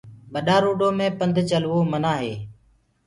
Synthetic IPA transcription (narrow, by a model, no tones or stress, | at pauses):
ɓəɗaːɾoːɖoːmẽːpənd̪ʱt͡ʃəlʋoːmənaːɦeː